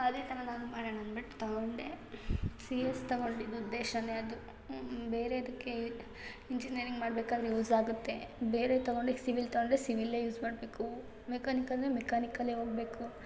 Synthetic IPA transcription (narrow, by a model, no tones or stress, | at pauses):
ɐd̪eːt̪ʰɐnɐnaːnumaːɽenɐnbɐʈːu̥t̪ɐɡoɳɖe | siːest̪ɐɡo̞ɳɖid̪uud̪ːeːʃɐneɐd̪u | beːɾeɐd̪ɐkːe̞ | iɲd͡ʒiniɐɾiŋɡmaːɽbeːkaːd̪ɾejuːzaːɡut̪ːe̞beːɾet̪ɐɡoɳɖesiʋilt̪ɐɡoɳɖesiʋilːejuːzmaːɖbeːku | mekaːnikɐlnemekaːnikɐlːeɦo̞ːɡ̚be̞ːku